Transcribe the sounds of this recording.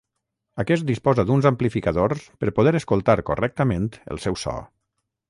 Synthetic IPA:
əkɛst̪̚d̪ispɔzəd̪unzəmplifikəðoɾspəɾpuð̞ɛɾəskulˠt̪aɾkorɛk̚t̪əment̪ə̰lˠsɛwsɔ̰

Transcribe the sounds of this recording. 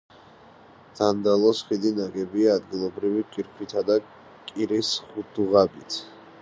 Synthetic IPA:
d̪̥and̪alˠɔsχid̪inaɡɛbiaːd̪ɡilˠɔbɾiviqʼiɾkʰit̪ʰad̪a | kʼiɾisχud̪uʁabit̪ʰ

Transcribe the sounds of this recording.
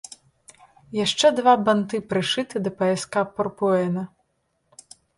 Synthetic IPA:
jaʂt͡ʂɛd̪vabant̪ɨpɾɨʂɨt̪ɨd̪ɐpɐɛskapɔrpuɛnɐ

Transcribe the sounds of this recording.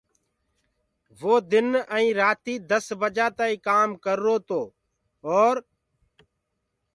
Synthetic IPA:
ʋoːd̪ɪnəĩːɾaːt̪iːd̪əsbəd͡ʒaːt̪aːiːkaːmkəɾːoːt̪oː | ɔːɾ

